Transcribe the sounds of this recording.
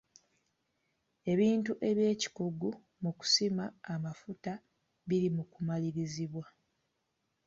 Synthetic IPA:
e̞βiːntuʔe̞βje̞ːci̥kuɡu | muku̥simaːmafuta | βiɾimukumaliɾiziβwa

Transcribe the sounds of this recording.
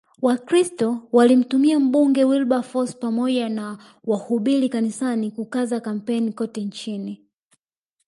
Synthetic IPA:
wakɾistɔwalim̩tumiam̩ɓuŋɡɛwilɓafɔspamɔʄana | wahuɓilikanisanikukazakam̩pɛnikɔtɛɲt͡ʃini

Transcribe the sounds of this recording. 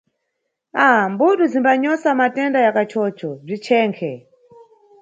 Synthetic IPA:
ambuɗuzimbaɲɔsamatɛndajakat͡ʃʰɔːt͡ʃʰɔb͡ʐit͡ʃʰɛːŋkʰɛ

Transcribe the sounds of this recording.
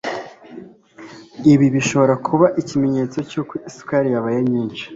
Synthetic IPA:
iβiβiʃo̞βo̞ɾakʰuβaʔicime̞ɲe̞ːt͡so̞cokwiskaɾijaβajemɲiːnt͡ʃi̥

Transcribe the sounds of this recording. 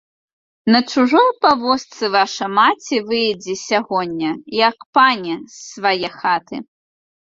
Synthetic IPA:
nɐt͡ʂuʐɔjpavɔst̪sɨvaʂɐmat͡sʲivɨjd͡zʲɛsʲaɣɔnʲːɐjɐkpanʲɛsːvajɛxat̪ɨ̰

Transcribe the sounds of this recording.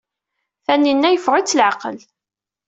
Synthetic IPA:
θænːinːæjəfʁit͡sːlʕaqəl

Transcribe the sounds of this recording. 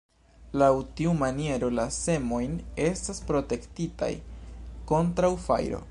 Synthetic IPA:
lawtiumanie̞ɾo̞lase̞mo̞jne̞staspɾo̞te̞ktita̰jko̞ntɾawfa̰jɾo̞̰

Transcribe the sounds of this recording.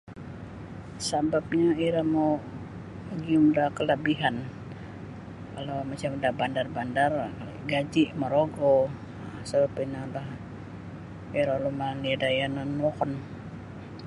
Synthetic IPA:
sabap̚ɲaiɾamo | ɡiumdahkələbiɦan | kalamat͡ʃamdabandarbandar | ɡad͡ʒiʔmaɾoɡo | sabapinalah | iɾalumaniadajananɔkɔn

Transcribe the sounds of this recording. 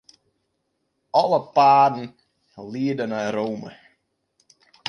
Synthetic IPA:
ɔlˠəpaːdn̩ | liədənaɾoːmə̰

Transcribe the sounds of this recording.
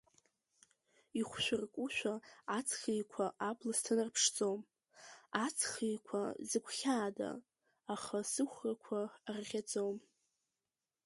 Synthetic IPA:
iχʷʃʷᶣʊrkʷʼuʃᶣʷaat͡sʰχijkʷʰaʔapʰʼlastʰɨnarpʰʂd͡zʼom | at͡sʰχijkʷʰazɨkʷʰχʲaːda̰ː | χasɨχʷrakʷʰarʁʲad͡zʼom

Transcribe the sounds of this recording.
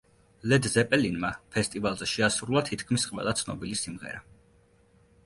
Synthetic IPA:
lɛd̪zɛpʼɛlinmapʰɛst̪ʼivalˠzɛʃɛasuɾlˠat̪ʰit̪ʰkʰmisqʼwɛ̰lˠat̪sʰnɔbilisimʁɛ̰ɾa

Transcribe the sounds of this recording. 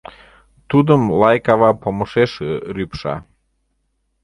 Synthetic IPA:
t̪ud̪əmlɑjkɑβɑpoməʃeʃeɾypʃɑ̰

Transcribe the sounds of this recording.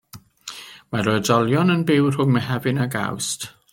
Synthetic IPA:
maɾɔdɔlˠjɔnənbɪwr̥ʊŋmɛɦɛvɪnaɡa̰wst

